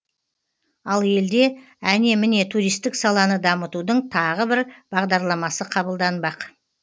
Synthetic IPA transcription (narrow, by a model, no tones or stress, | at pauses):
ɑlˠje̞ld̪e̞ | æne̞mɪne̞t̪ʰuɾijst̪ɪksɑlˠɑnəd̪ɑmət̪ud̪əɴt̪ʰɑʁəbɪɾb̥ɑʁd̪ɑɾlˠɑmɑsəqʰɑbəlˠd̪ɑnbɑq